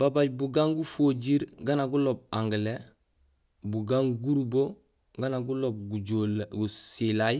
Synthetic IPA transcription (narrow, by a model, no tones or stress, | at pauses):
b̥abaɟ̚buɡaŋɡufoɟiɾɡanaɡulob̚ãŋɡile | buɡaːŋɡuɾubo | ɡanaɡulob̚ɡuɟoɡusilaj